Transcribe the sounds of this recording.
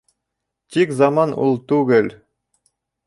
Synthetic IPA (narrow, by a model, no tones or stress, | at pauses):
t̪ikzɑmɑnṵlˠt̪ʉɡɘl